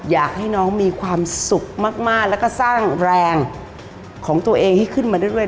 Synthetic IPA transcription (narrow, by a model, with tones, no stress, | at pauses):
jaː˨˩k̚ha˥˩jnɔː˦˥ŋmiː˧kʰwaː˧msu˨˩k̚maː˥˩k̚maː˥˩k̚lɛ˦˥kɔː˥˩saː˥˩ŋɾɛː˧ŋ | kʰɔː˩˦ŋt̪u˧ɐʔeː˧ŋha˥˩jkʰɯ˥˩nmaː˧djɾɯ˥˩ə˨